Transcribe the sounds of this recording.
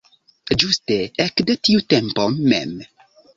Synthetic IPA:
d͡ʒusteɛkd̪etiutɛmpomːɛ̰m

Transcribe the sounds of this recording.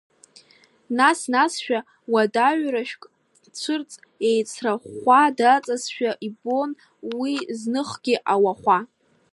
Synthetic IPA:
nasnasʃᶣa | wadaɥraʃᶣkʼ | t͡ʃʷʰɨrt͡sʼ | e̞jt͡sʰraχʷadat͡sʼasʃᶣaʔibo̞n | wiznɨχɡ̥ʲiʔawaχʷa

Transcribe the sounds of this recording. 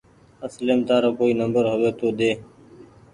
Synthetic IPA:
əsleːmt̪aːɾoːkoːiːnəmbəɾɦʊʋeːt̪oːd̪eː

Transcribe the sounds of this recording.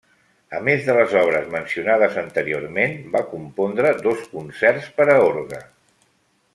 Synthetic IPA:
əmezðələzɔβ̞ɾəzmənsiunað̞əzənt̪əɾioɾmenbakumpond̪ɾəd̪oskunsɛrspəɾəoɾɣə̰

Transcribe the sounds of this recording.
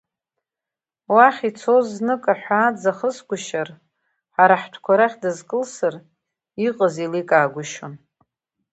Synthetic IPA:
waχʲit͡sʰoznɨkʼaħʷaːd͡zaχəsɡʷʊʃar | ħaɾaħtʷʰkʷʰaɾaχʲdɨzkʼɨlsɨr | iqʼəzilikʼaːɡʷʊʃon

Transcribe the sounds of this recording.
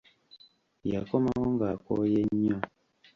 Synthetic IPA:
jakɔmawɔŋɡakɔ̰jɛɲɔ̃

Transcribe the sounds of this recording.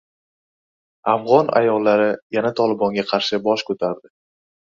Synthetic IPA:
afʁɒna̰jɒlːaɾɪjanat̪ʰɒlˠɪbɒŋɡʲaqʰɑɾʃɪbɒʃkʰɵt̪ʰaɾd̪ɪ

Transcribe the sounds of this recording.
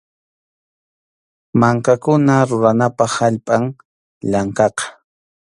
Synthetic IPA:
maŋkakʊnaɾʊɾanapɑχaʎpʼaŋ | ʎaɴkɑqɑ̥

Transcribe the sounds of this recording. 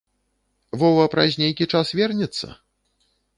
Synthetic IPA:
vɔwɐpɾazʲnʲejkʲit͡ʂasvʲɛrnʲɛt̪sːɐ̰

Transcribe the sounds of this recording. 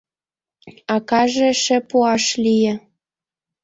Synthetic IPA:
ɑkɑʒĕʃĕpuɑʃlijĕ

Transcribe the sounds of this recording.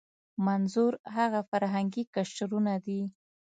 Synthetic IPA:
manzuɾhaɣafaɾɦaŋɡikaʃʈɾunad̪i

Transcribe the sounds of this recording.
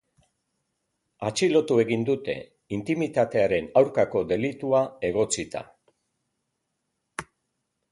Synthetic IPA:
at͡ʃilo̞t̪ue̞ɣind̪ut̪e̞̰ | int̪imit̪at̪e̞aɾe̞nawɾkako̞d̪e̞lit̪uae̞ɣ̞o̞t͡sit̪a̰

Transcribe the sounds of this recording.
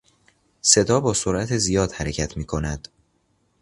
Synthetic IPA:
se̞d̪ɒːbɒːsoɾʔæt̪ʰezijɒːd̪̥hæɾecʰæt̪ʰmiːkʰo̞næd̪̥

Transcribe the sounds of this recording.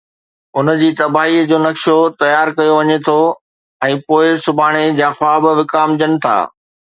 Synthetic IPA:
ʊnəd͡ʑiːt̪ɐbaːɦid͡ʑoːnɐkʃot̪ɐjaːɾkɐjoʋɐɲet̪ʰo | ɛ̃ːpoːɪsʊbʱaːɽ̃ed͡ʑãːxʊaːbʋɪkaːmd͡ʑənɪ̆t̪ʰa̰ː

